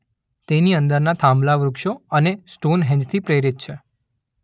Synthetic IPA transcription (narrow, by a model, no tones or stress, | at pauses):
t̪eniənd̪əɾnat̪ʰãmblaʋɾukʃoənesʈonɦɛ̃ɲd͡ʒt̪ʰipɾeɾit̪̚t͡ʃʰe